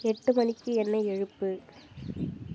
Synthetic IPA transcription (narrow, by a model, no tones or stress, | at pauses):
ɛʈːɯmɐnɪkːɯɛnːɐɛɻɯpːɯ